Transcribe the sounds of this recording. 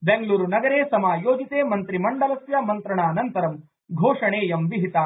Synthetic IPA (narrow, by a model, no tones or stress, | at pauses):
beŋɡɐɭuːɾunɐɡɐɾeːsɐmaːjoːd͡ʒit̪eːmɐnt̪ɾimɐɳɖɐlɐsjɐmɐnt̪ɾɐɳaːnɐnt̪ɐɾɐm | ɡʱoːʂɐɳeːjɐmʋiɦit̪aː